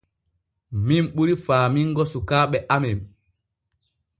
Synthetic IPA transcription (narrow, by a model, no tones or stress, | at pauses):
mimɓuɾifaːmiŋɡɔsukaːɓɛʔamɛm